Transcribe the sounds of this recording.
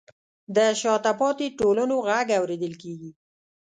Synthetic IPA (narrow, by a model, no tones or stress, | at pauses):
d̪əʃɑt̪apɑt̪iʈolənoɣaɡawɾed̪əlkeɡi